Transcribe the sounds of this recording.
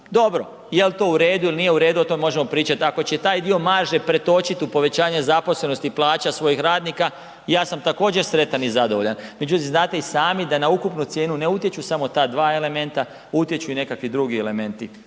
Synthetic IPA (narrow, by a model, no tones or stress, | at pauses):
d̪o̞bɾo̞ | jelt̪o̞uɾeːd̪uilnije̞uɾe̞ːd̪uot̪o̞memo̞ʒe̞mo̞pɾiːt͡ʃat̪iako̞t͡ɕe̞t̪aːjd̪io̞maːʒepɾe̞t̪o̞t͡ʃit̪upo̞ʋe̞t͡ɕaːɲezapo̞sle̞no̞st̪iplˠaːt͡ɕasʋo̞jixɾaːd̪niːka | jaːsamt̪ako̞ːd͡ʑe̞ɾsɾe̞t̪anizad̪oʋo̞ʎanme̞d͡ʑut̪imznaːt̪e̞isaːmid̪anaukupnut̪sje̞ːnune̞ut̪jet͡ʃusamo̞t̪aːd̪ʋaːe̞le̞me̞nt̪a | ut̪je̞t͡ɕuine̞kakʋid̪ɾuɡiele̞me̞nt̪i